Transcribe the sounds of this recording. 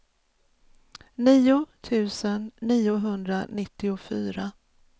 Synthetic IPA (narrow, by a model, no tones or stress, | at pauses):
niːʊt̪ʰʉ̟ːsənːiːʊɦɵnd̪ɾa̰nɪt̪ːɪʊfyːɾa